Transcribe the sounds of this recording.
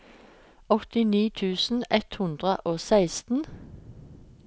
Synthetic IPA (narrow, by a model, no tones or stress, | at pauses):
ɔt̪ɪniːt̪ʰʉːsn̩ɛt̪hʉnd̪ʁəʔoːsæɪst̪n̩